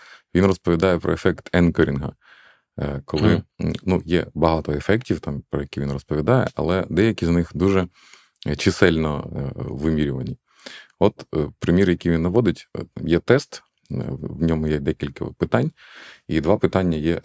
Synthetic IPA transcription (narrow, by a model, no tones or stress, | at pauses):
ʋʲinrɔspɔʋʲid̪ɑjɛpɾʔɔ̰efɛkt̪ʰɛnkɔɾʲinɦɐ̰ | kɔlˠɪnujɛ̰bɐɦɑt̪ɔefɛktʲiwt̪ɑmpɾɔjɐkʲiʋʲinɾrɔspɔʋʲid̪ɑjɛ̰ʔɐ̰lˠɛd̪ɛjɐkʲiznɪxd̪uʒɛ | t͡ʃɪsɛlʲnɔʋɪmʲiɾʲʊʋɐnʲi | ɔt̪pɾɪmʲiɾjɐkʲijʋʲinːɐʋɔd̪ɪtʲjɛt̪ɛst̪ | wnʲɔmʊjɛd̪ɛkʲilʲkɐ̰pɪt̪ɑnʲ | id̪ʋɑpɪt̪ɑnʲːɐjɛ